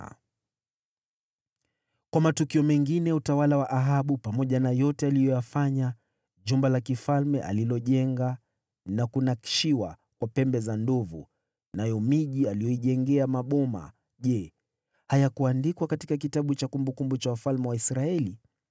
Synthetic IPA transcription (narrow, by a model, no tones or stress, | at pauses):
kwamatukiɔmɛŋɡinɛutawalawaʔaɦaɓupamɔʄanajɔtɛalijɔjafaɲa | ʄumbalakifalmɛʔa̰lilɔʄɛŋɡa | nakunaki̥ʃiwa | kwapɛmbɛzandɔvṵ | najɔmiʄialijɔiʄɛŋɡɛamaɓɔma̰ | ʄɛ | hajakuandikwakatikak̬itaɓut͡ʃakumbukumbut͡ʃawufalmɛwaisɾaɛli